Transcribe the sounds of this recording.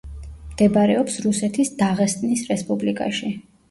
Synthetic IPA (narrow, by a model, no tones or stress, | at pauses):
md̪̥ɛbaɾɛɔpsɾusɛt̪ʰisd̪aʁɛst̪ʼnisɾɛspʼublikʼa̰ʃi